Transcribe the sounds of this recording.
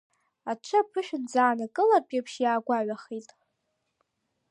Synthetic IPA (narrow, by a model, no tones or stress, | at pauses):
at͡ʃʷʰɨapʰɨʃᶣɪnd͡zaːnakʼɨlapʼapʰʃjaːɡʷaɥʷaχitʼ